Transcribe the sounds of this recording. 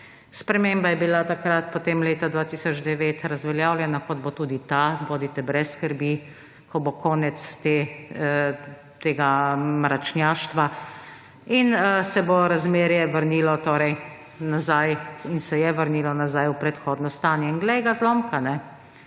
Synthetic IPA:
spɾɛmeːmbajɛbilat̪akɾat̪pot̪eːmleːt̪ad̪ʋaːt̪iːsɔd͡ʒd̪ɛʋeːt̪ɾazʋɛljaːwljɛnakɔd̪bot̪uːd̪it̪aboːd̪it̪ɛbɾɛsːkəɾbi | kʰɔbokɔːnɛt̪st̪e | t̪eːɡamɾat͡ʃnjaːʃt̪ʋa | insɛboɾazmeːɾjɛʋəɾnilɔt̪oːɾɛj | nazajinsɛjɛʋəɾniːlɔnazajupɾɛt̪xoːd̪nɔst̪aːnjɛinɡlɛjɡazloːmkanɛ

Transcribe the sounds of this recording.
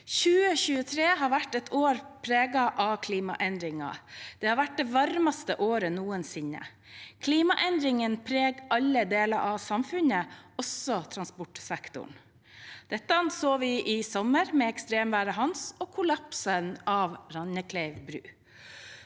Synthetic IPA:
çʉːəçʉːət̪ʰɾeːɦɑɾʋæʈːɛt̪ʰoːɾpʰɾeːɡɑʔɑkʰliːmɑ̰ʔɛnd̪ɾɪŋɑ̰d̪̥ɛːhɑɾʋæʈ̚d̪ɛːʋɑɾmɑst̪əʔoːɾənuːənsɪnːə̰ | kʰliːmɑʔɛnd̪ɾɪŋənpʰɾeːɡɑlːəd̪eːlɑɾʔɑʋsɑmfʉnəɔsɔt̪ʰɾɑnspɔʈsɛkt̪ʊ̰ɳ | d̪̥ɛt̪ːəɑnsoːʋɪʔɪsɔməɾmɛɛkst̪ɾeːmʋæːɾəɦɑnsɔːkʰʊlɑpsənɑːʋɾɑnəkʰlɛɪʋbɾʉ̰ː

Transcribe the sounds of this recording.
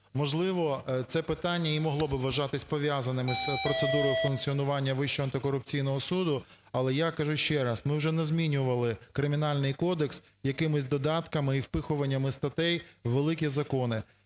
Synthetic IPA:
mɔʒlˠɪʋɔt̪sɛpɪt̪ɑnʲːɐimɔɦlˠɔbɪʋɐʒɑt̪ɪsʲpɔʋʲjazɐnɪmɪspɾɔt̪sed̪uɾɔjʊfʊnk̚t͡sʲiɔnʊʋɑnʲːɐʋɪʃt͡ʃɔɐnt̪ɪkɔɾʊp̚t͡sʲijnɔɦɔsud̪ʊ | ɐlˠɛjakɐʒuʃt͡ʃɛɾɐsmɪwʒɛnɛzmʲinʲʊʋɐlˠɪkɾɪmʲinɑlʲnɪjkɔd̪eks | jɐkɪmɪsʲd̪ɔd̪ɑt̪kɐmɪiwpɪxʊʋɐnʲːɐmɪst̪ɐt̪ɛjʋelˠɪkʲizɐkɔnɪ

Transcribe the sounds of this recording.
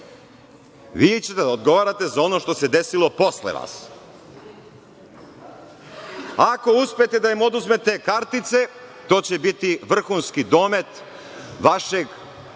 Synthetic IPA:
ʋiːt͡ɕet̪eaod̪ɡo̞ʋaːɾat̪e̞zao̞no̞ʃt̪o̞sed̪esilˠo̞po̞slḛʋa̰ːs | ako̞uspejet̪ed̪aimo̞d̪uzmet̪ekaɾt̪it̪se̞t̪o̞ːt͡ɕebit̪iʋr̩xunskid̪o̞ːme̞t̪ | ʋaʃe̞ɡ

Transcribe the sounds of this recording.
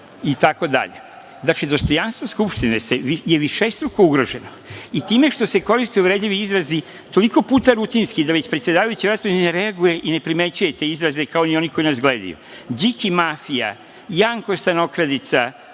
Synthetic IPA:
it̪ako̞d̪a̰ʎe̞̰ | d̪aked̪o̞st̪o̞janst̪ʋo̞skupʃt̪ineseʋijeʋiʃest̪ɾukouɡɾo̞ʒe̞noit̪iːme̞ʃt̪o̞se̞ko̞ɾist̪euʋɾed̪ʎʲiʋiizɾazi | t̪o̞liko̞puːt̪aɾut̪inskid̪aʋet͡ɕpɾet̪sjed̪aːʋajut͡ɕiʋɾat̪oineɾe̞aɡuje̞ʔine̞pɾime̞t͡ɕuje̞t̪e̞izɾaze̞kaonioniko̞inasɡled̪ḭjṵd͡ʑikimafija̰ | jaŋkost̪ano̞kɾad̪it̪sa

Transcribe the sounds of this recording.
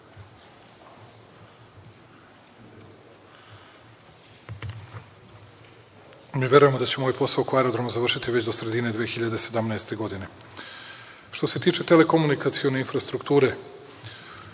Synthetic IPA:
miʋʲje̞ɾuje̞mo̞d̪at͡ɕe̞mo̞jpo̞saokoaeɾod̪ɾomuzaʋrʃit̪iʋet͡ɕd̪osɾe̞d̪ine̞d̪ʋeːxiʎad̪ese̞d̪amnaest̪e̞ɡo̞d̪ine̞ | ʃt̪o̞se̞t̪iːt͡ʃe̞t̪ele̞ko̞munikat̪sio̞ne̞infɾast̪ɾukt̪uːɾe

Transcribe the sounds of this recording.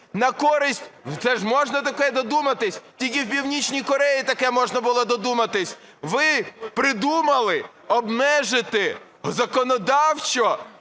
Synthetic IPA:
nɐkɔɾɪsʲtʲt̪sɛʒmɔʒnɐt̪ɐkɛd̪ɔd̪umɐt̪ɪsʲtʲikʲɪwpʲiwnʲit͡ʃʲnʲijkɔɾɛjit̪ɐkɛmɔʒnɐbʊlˠɔd̪ɔd̪umɐt̪ɪsʲ | ʋɪpɾɪd̪umɐlˠɪ | ɔbmɛʒɪt̪ɪ | zɐkɔnɔd̪ɑwt͡ʃɔ

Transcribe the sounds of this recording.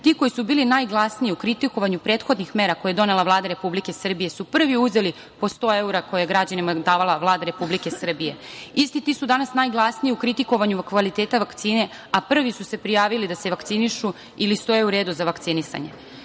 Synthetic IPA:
t̪iːko̞jisubiːlinaːjɡlˠasnijiukɾit̪iko̞ʋaɲupɾeːt̪xod̪nixme̞ːɾakojd̪o̞ne̞lˠaʋlˠaːd̪aɾe̞publike̞sr̩bije̞supr̩ʋiuze̞li | po̞st̪o̞ːe̞uɾakojejeɡɾad͡ʑanimad̪aːʋalˠaʋlˠaːd̪aɾe̞publike̞sr̩bije̞ist̪it̪iːsud̪anasnajɡlˠasnijiukɾit̪iko̞ʋaɲukʋalit̪eːt̪aʋakt̪siːne̞ | apr̩ʋisuse̞pɾijaːʋilid̪aseʋakt̪siniʃu | ilist̪o̞jeuɾe̞ːd̪uzaʋakt̪sinisa̰ɲe̞̰

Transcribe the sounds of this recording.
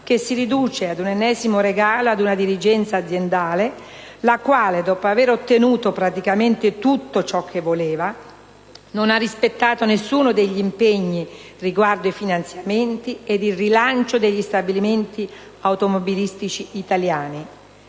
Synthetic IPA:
kesːiɾid̪uːt͡ʃead̪unenːɛːzimoɾeɡaːload̪unad̪iɾid͡ʒɛnt̪saːd̪zːjend̪aːle | lakwaːled̪ɔːpoaveːɾot̪ːenuːt̪opɾat̪ikament̪ɪt̪ut̪ːot͡ʃɔkʰːevːoleːva | nonarːispet̪ːaːt̪onesːuːnod̪eʎːiimpeɲːi | riɡward̪oifinant̪sjament̪ied̪irilant͡ʃod̪eʎːist̪abiliment̪i | awt̪omobilist̪it͡ʃiːt̪aljaːni

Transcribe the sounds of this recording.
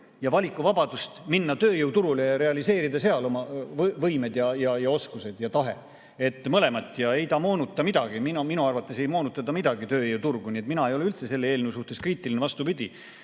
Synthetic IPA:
jɑvɑlʲikːˑuvɑbɑd̪̥ust̪minːɑt̪ø̞ːjɯwt̪uɾulejɑɾe̞ɑlise̞ːɾid̪ɑse̞ɑlo̞mɑvvɤjme̞d̪jɑjɑjɑo̞skuse̞d̪̥jɑt̪ɑɦe̞ | e̞t̪ːˑmɤle̞mɑt̪ːˑjɑe̞jt̪ɑːmo̞ːnut̪ˑːɑmid̪̥ɑɡ̥iminminuɑrvɑt̪ːˑe̞se̞jmo̞ːnut̪ːˑɑd̪ɑmid̪ɑɡit̪øːjɤwt̪urɡ̥uniet̪minɑe̞jo̞lylt̪se̞se̞lːee̞ːlneusuht̪eskriːt̪ˑilinevɑst̪upid̪̥ʲi

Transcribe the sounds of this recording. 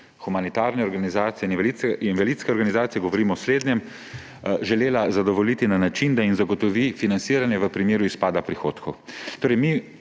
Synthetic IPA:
xumanit̪aɾnɛɔɾɡanizaːt̪siɛniinvalit̪skɛɔɾɡanizaːt̪ijɛɡɔʋɔɾiːmɔsleːd̪njɛm | ʒɛleːlazad̪ɔʋɔlit̪inanat͡ʃind̪ainzaɡɔt̪ɔʋifinant̪siːɾanjɛʋəpɾimeːɾuispaːd̪apɾixo̰ːt̪kʰɔwt̪oːɾɛɪjmi

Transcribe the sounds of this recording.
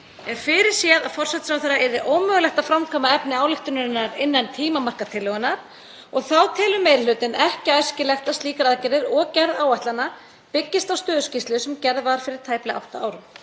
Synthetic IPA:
ɛnfɪɾɪɾ̥sjɛðaðfɔr̥sɛt̪sfɾawθɛɾrːaɛɾðɪʔowmœːɣʏlɛxt̪aðfɾamkʰɔːmaɛpnɪaːwlɪxt̪ʏnʏɾɪnːaɾɪnːant̪ʰiːmamar̥kat̪ʰɪlːœɣʏnːaɾ̥ | ɔɣθawt̪ʰɪːlʏmeːjɾlʏːt̪ɪnɛhcɪajscɪlɛxt̪aðst̪liːkaɾaðcɛɾɪɾɔɣcɛɾðaːwaht̪lanːa | pɪcːɪst̪awst̪œːðʏscist̪lʏsɛmcɛɾðvaɾ̥fɪɾɪɾ̥t̪ʰaːjplɪa̰wht̪aaːwɾʏm

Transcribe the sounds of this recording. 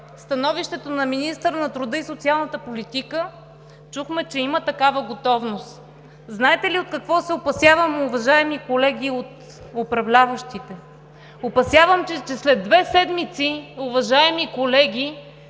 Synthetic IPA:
st̪ɐnɔviʃt̪ɛt̪onɐminist̪əɾənɐt̪ɾʊd̪ɤisot̪sialˠnət̪əpolit̪ikə | t͡ʃuxmɛt͡ʃɛimət̪ɐkavəɡot̪ɔvnost̪ | znaɛt̪ɛliot̪̚kɐkvɔsɛopɐsjavəmʊvɐʒaɛmikolɛɡʲiot̪ | opɾɐvlʲavəʃt̪it̪ɛ | opɐsjavəmt͡ʃɛt͡ʃɛslɛd̪ːvɛsɛd̪mit̪siʊvɐʒaɛmikolɛɡʲi

